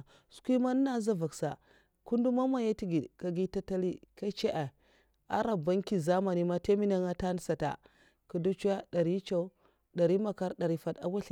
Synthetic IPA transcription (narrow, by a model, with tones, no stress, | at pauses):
su̥˨˦kʷi˦ma˦n˦na˦za˦va˨ksa̰˨ | ku˦ndu˦ma˦ma˦ja˦ti˦ɡi˨dka˨ɡi˦ta˦ta˦li˦ka˦t͡ʃe˦ʔa˨ | a̰˦ɾa˨ba˦ŋki˦za˦ma˨ni˦ma˦te˦mi˦na˦ŋa˦ta˦n˦sa˨ta̰˨ | ku˨du˦t͡ʃu˦ja˦da˨ɾi˦t͡ʃa˦u˦ | da˨ɾi˦ma˨ka˦ɾda˨ɾi˨fa˦da̰˨wa˦ɬ